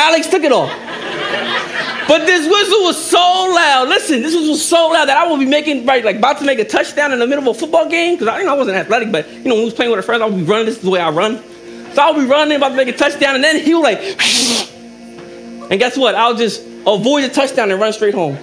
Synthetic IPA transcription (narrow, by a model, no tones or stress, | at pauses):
æɪlɨkstʰɪk̬ɨɾɔlˠ | b̥ʌt̪̚ðɪs̬wɪzəwʌz̥soʊlaʊdˡlɪsɨ̃nðɪs̬wɪzwʌz̥soʊlaʊd̪̚ðɨɾaɪwəlˠbimeɪkɪ̃ŋɹaɪt̚laɪkəbaʊtʰəmeɪk̬ɨtʰʌt͡ʃd̥ãʊ̃nɨ̃nðɨmɪɾl̩ʌvəfʊt̚b̥ɔlˠɡẽɪ̃mkʰʌzaɪɨnoʊaɪwʌzɨ̃ntæθlɛɾɨk̚b̥ʌt̚jɨnoʊw̃əniʌz̥pʰl̥eɪ̃ŋɨmaɪfɹɛ̃ndzaɪlˠbiɹʌ̃ñɪ̃ŋðɪszðəweɪaɪɹʌ̃n | soʊaɪlˠbiɹʌnɪ̃ŋəbaʊtʰɨmeɪkɨtʰʌt͡ʃd̥ãʊ̃nɨ̃nðɨ̃niwəlaɪk | ɨ̃nɡæswʌɾaɪlˠd͡ʒʌst | əvɔɪd̚ɨtʰʌt͡ʃd̥ãʊ̃nɨ̃nɹʌ̃nstɹeɪɦõʊ̃m